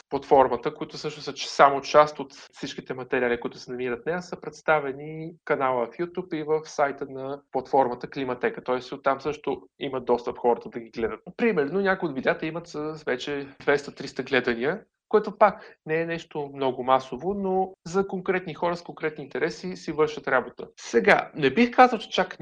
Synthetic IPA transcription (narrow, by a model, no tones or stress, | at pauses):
plˠɐt̪fɔɾmət̪əkoit̪ʊsɤʃnʊsət͡ʃsamot͡ʃast̪ot̪fsit͡ʃk̟it̪ɛmɐt̪ɛɾialikʊit̪ʊ̥sɛnɐmiɾət̪nɛjasəpɾɛt̪st̪avɛnikɐnalˠəfjut̪ʲupivəfsajt̪ənɐplˠɐt̪fɔɾmət̪əklimɐt̪ɛkət̪ɔɛsot̪ːamsɤʃt̪ʊimət̪d̪ːɔst̪əpxɔɾət̪əd̪ɐɡiɡlɛd̪ət̪pɾimɛɾnonʲakʊjot̪vid̪ʲjat̪əimət̪səsvɛt͡ʃɛd̪vɛst̪ət̪ɾist̪əɡlɛd̪əniə | koɛt̪ʊpaknɛːnɛʃt̪omnɔɡʊmasovonozɐkoŋkɾɛt̪nixɔɾəskoŋkɾɛt̪niːnt̪ɛɾɛsisivɤɾʃət̪ɾabot̪ə̰sɛɡanɛbixkazəlˠt͡ʃɛ̥t͡ʃak